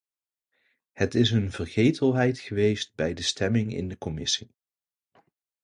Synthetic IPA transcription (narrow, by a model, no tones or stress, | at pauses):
hətɪsənvərχejtʰəlˠɦɛjtχəʋejst̚bɛjdəstɛmɪŋɪ̰ndəkɔmɪsi